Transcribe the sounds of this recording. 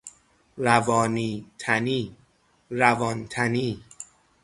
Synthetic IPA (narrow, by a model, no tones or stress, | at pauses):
ɾævɒːniːt̪ʰæniː | ɾævɒːnt̪ʰæniː